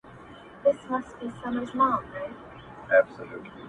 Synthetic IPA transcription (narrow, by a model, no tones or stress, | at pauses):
ðɪsmʌst̚b̥isʌmə˞zmɑlˠɹeɪ | æb̥səlṵtʰˡli